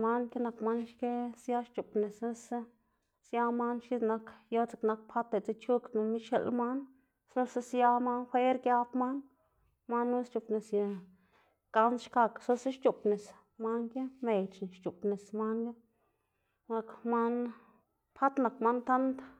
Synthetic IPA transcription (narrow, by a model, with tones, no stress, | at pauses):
ma˧˦nke˦na˧kma˦nʃke˦sja˦ʃt͡ʃu˨pne˨sa˦s | sja˧˦ma˦nʃi˦d̪na˧kjo˦t͡se˧kna˧k̚pʰa˦t̪e˨t͡se˧t͡ʃu˦kna˧mi˦ʃḛ˧lma˦n | sna˧sa˦sja˧ma˦nxʷe˦ɾɡja˧pma˦n | ma˦nːu˦st͡ʃu˨pne˨sja˧ | ka˧nʃka˧kso˦se˦ʃt͡ʃu˨pne˨s | ma˦nke˦me˨t͡ʃn˨ʃt͡ʃu˨pne˨sma˦nke˦ | na˧kma˦n | pʰa˦t̪na˨kma˦nt̪a˦nd̪